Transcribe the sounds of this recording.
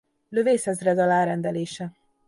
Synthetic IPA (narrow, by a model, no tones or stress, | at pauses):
lø̞veːshɛzrɛd̪ɒlaːɾɛnd̪ɛleːʃɛ